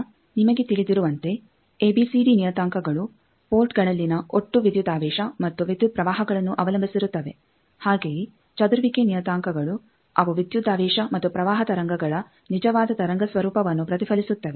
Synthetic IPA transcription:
nimɐɡe̞t̪iɭid̪iɾuʋɐnt̪e̞ | eːbiːsiːɖinijɐt̪aːŋkɐɡɐɭu | poːɾʈɡɐɭɐlːinɐʔoʈːuʋid̪jud̪aːʋɛːʃɐmɐt̪ːuʋid̪jud̪̚pɾɐʋaːɦɐɡɐɭɐnːuʔɐʋɐlɐmbʱisiɾut̪ːɐʋe̞ | haːɡeːji | t͡ʃɐd̪uɾʋikenijɐt̪aːŋkɐɡɐɭu | ɐʋɐʋid̪jud̪aːʋɛːʃɐmɐt̪ːupɾɐʋaːɦɐt̪ɐɾɐŋɡɐɡɐɭɐ | nid͡ʒɐʋaːd̪ɐt̪ɐɾɐŋɡɐsʋɐɾuːpɐʋɐnːupɾɐt̪ifɐlisut̪ːɐʋe

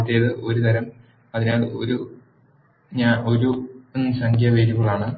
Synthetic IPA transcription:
t̪ːijɐðɨʔo̞ɾut̪ɐɾɐm | ɐðineːɭɨo̞̰ɾu | ɲaːno̞ɾunːɨsɐŋkʰjɐʋeːɾuɣɐɭaːɳɨ

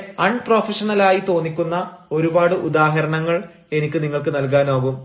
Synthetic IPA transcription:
ɐɳɖproːfɐʂɐnɐlaːjit̪o̞ːnːikʲːunːɐo̞ɾubaːɽɨʔud̪aːɦɐɾɐɳɐŋːɐɭ | e̞nikʲːɨniŋːɐɭkɨnɐlk̬aːnoːɣum

